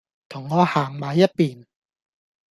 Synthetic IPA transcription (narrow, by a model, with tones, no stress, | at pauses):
t̪ʰɔ˨˦ŋɔ˦haː˨˦ŋmaː˨˦ja˦piː˨˩n